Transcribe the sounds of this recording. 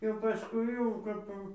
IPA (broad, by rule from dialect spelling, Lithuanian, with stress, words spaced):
jɛʊ pɐˈskʊɪ jɛʊ kɐp jɛʊ